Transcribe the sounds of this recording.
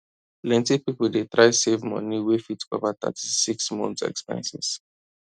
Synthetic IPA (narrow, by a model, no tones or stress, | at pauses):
lɛ̃ntipipuldet̪ɹaɪsevmɔ̰niwefitkɔvat̪ə̰tʰi̥siksmɔ̃nt̪sɛ̰kspɛ̰̃nsɛs